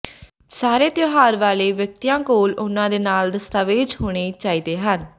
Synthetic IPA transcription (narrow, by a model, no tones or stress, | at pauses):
saːɾeːt̪joːɦaːɾʋaːleːʋjək̚t̪ijãːkoːlʊnãːd̪eːnaːld̪əst̪aːʋeːd͡ʒɦoːɽ̃eːt͡ʃaːiːd̪eːɦən